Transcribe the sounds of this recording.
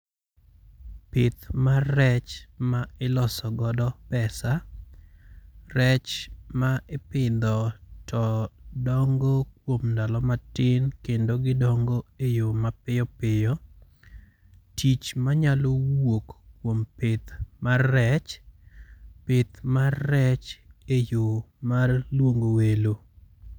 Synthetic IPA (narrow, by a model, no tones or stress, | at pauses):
pɪt̪marɛt͡ʃmaɪlɔsɔɡɔdɔpɛsa | rɛt͡ʃmaʔɪpɪd̪ɔtʰɔdɔŋɡokwomndalɔmatɪnkendoɡɪdɔŋɡoejomapɪjɔpɪjɔ | tit͡ʃmaɲalowokkːwompɪt̪marːɛt͡ʃ | pɪt̪maːɛt͡ʃejomarlwoŋɡowelo